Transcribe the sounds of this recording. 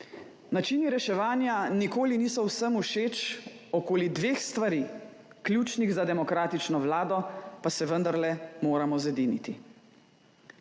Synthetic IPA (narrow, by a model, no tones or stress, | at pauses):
nat͡ʃiːniɾɛʃɛʋaːnjanikoːliniːsɔwsəmuʃeːt͡ʃ | ɔkoːlid̪ʋeːxst̪ʋaɾiː | kljuːt͡ʃniɣzad̪ɛmɔkɾaːt̪it͡ʃnɔʋlaːd̪ɔpasɛʋənd̪aɾlɛmoːɾamɔzɛd̪iːnit̪i